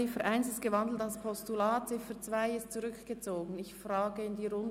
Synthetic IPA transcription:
ɪfəɾʔaɪnsɪst̚ɡ̥əvɑndl̩talspʰɔstulaːt̚t͡sɪfət͡sv̥aɪɪstt͡suɾʏkɡ̥ət͡soːɡən̩ɪçfʁɑːɡəɪndiːɾʊn

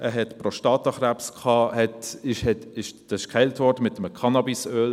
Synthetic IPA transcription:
ʔəɦɛtpɾoʃtɑːtɑχɾæpskχɑːhɛtɪʃhɛtɪʃd̥ɑsɪ̥ʃkχɛɪltvɔːɾdəmɪtəməkʰɑnɑbisøːl

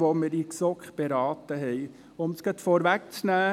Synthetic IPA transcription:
ʋoməɾiksɔkχb̥eɾɑːt̪əɦɛɪ | ʊmsɡ̥ət̪fɔɾʋæk̚t͡snæː

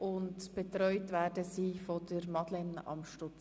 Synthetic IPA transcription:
ʔʊntb̥ɛtɾɔʏtvɛːɾdəsiːfɔdəɾmɑdlɛnɑ̰mʃtʊt͡s

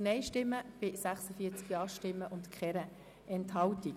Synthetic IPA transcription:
nɛɪʃtɪmːəb̥ɪsæχsəfiːət͡skiɑːʃtɪmːəʔʊntkχɛɾə | ɛntɦɑwti

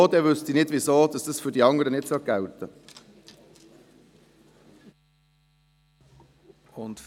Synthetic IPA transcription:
d̪ɛːʋʉst̪inɪd̪ʋisoːd̪ɑsd̥̪əsfʏdiɑŋəɾənɪtsoɡ̥awt̪ə | ʊnt̪

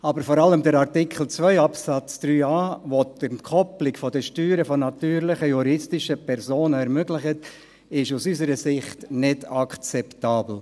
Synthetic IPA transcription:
ɑbəɾfɔɾɑləmdəɾɑɾtɪkʰχl̩ˠt͡svœʏɑpsat͡sd̪̥ɾyːɑːvodənkʰɔplɪkfɔdəʃtyːɾəfɔnɑtyːɾlɪχəjuɾɪstɪʃəpʰɛɾzoːnəɛɾmøɡlɪχət | ɪʃusysəɾəsɪχtnɪdɑkt͡sɛptaːbl̩

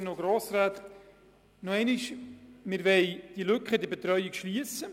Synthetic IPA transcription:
noɡɾoːsraːt̪ | noɛɪnɪʃmɪɾvɛɪd̥ilʏkχədibet̪ɾœjikʃliəsə

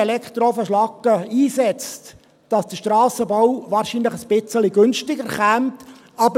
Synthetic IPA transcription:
ɛlɛkχt̪ɾofəʃlɑkːəiːsɛt͡st | d̥ɑsd̥̪əʃtɾɑːsəbɔwʋɑːɾʃinləχəsb̥ɪt͡səliɡʏnʃtɪɡəɾχæmt | ɑbə

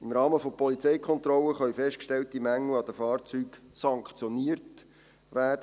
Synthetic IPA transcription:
imɾɑːməfopɔlit͡sɛjkʰɔnt̪rɔləχœʏfɛʃtkʃtɛltimæŋləɑd̥̪əfɑːrt͡syːksɑŋkχt͡sjɔniːəɾt | ʋæːd̥ə

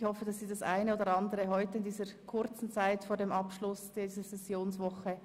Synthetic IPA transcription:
hɔfəd̥ɑsːiːdɑsa̰ɪneoːdəɾɑndəʁəɦɔʏtəɪndiːzəɾkʰʊɾt͡sn̩t͡saɪtfoːɐɾdeːmʔɑpʃlʊsd̥iːzəsɛsjoːnsvɔxə

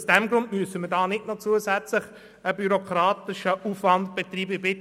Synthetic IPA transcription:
sd̥ɛmɡɾʊntmyəsəmədɑːnɪtnot͡suəzæt͡slɪχ | əbyɾokʰɾɑːt̪ɪʃəʔufvɑntb̥et̪riːbəɪbɪ

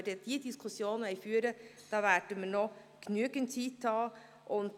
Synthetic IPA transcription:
ədəd̥iːədiskʰʊsjoːnɛɪjfyːəɾəd̥ɑːvæːɾdəməːnɔ | ɡ̥nyəɡəntt͡siːtʰːɑː | ʔʊnt

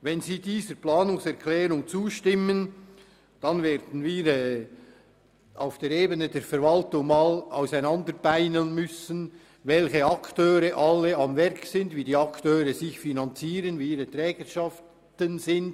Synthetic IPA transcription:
vɛnziːdiːzəɾplaːnʊŋsɛʁkʰlɛːɾʊŋt͡suːʃtɪmən | d̥ɑnveːɾd̥n̩viːɾɛː | ʔa̰ʊfd̥eːɾeːbənədeːɾfɛɾvɑltʊŋmaːla̰ʊsaɪnɑndəɾb̥aɪnənmʏsən | vɛlçəɑktøːɾəʔɑlːəʔɑmvɛɾksɪndviːdiːɑktøːɾəzɪçfinɑnt͡siːʁənviːiːɾətʁɛːɡ̥əʃɑf | tənzɪnd̥

